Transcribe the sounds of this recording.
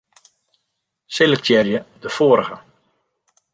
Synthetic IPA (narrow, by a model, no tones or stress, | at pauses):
selək̚tjɛrjədəfoːɾəɣə̰